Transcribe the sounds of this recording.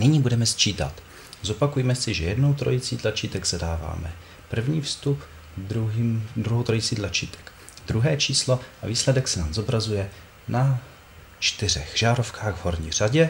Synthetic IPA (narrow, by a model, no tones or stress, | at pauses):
nɪɲiːbudɛmɛst͡ʃiːt̪a̰t̪ | zo̞pakujmɛsɪʒɛjɛdno̞wt̪ɾo̞jɪt͡siːt̪lat͡ʃiːt̪ɛɡz̥adaːva̰ːmɛ̰ | pr̩vɲiːfst̪up | d̪ɾuɦiːmd̪ɾuɦowt̪ɾojit͡siːd̪lat͡ʃḭːt̪ɛ̥k | d̪ɾuɦɛːt͡ʃiːslo̞ʔaviːslɛdɛksɛnaːmzo̞bɾazujɛ | na | t͡ʃt̪ɪr̝ɛ̰xʒ̥aːɾo̞fkaːɣvɦo̞ɾɲḭːr̝̥aɟɛ